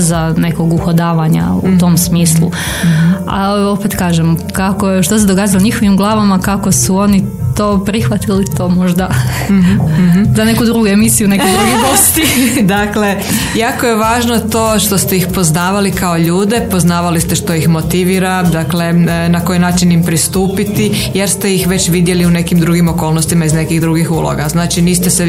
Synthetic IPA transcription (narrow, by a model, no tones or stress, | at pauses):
zane̞ko̞ɡuxod̪aːʋaɲa̰ut̪o̞msmiːslˠṵ | a̰o̞pet̪kaːʒemkakoʃt̪ose̞d̪o̞ɡaːzaloɲixo̞ʋimɡlˠaːʋamakako̞suo̞nit̪o̞ːpɾixʋat̪ilit̪o̞ːmo̞ʒd̪a | zane̞kud̪ɾuːɡuemisijune̞kojɡuʒiʋost̪id̪akle̞jaːko̞jeʋaːʒnot̪o̞ːʃt̪o̞st̪e̞ixpo̞znaːʋalikaoʎuːd̪e̞po̞znaːʋalist̪e̞ʃt̪o̞ixmot̪iʋiːɾad̪akle̞nakojinaːt͡ʃinimpɾist̪uːpit̪ijeɾst̪e̞jixʋe̞t͡ɕʋid̪je̞liune̞kimd̪ɾuɡimo̞koːlˠnost̪imaizne̞kiɣd̪ɾuɡixulˠo̰ɡaznaːt͡ʃiniːst̪ese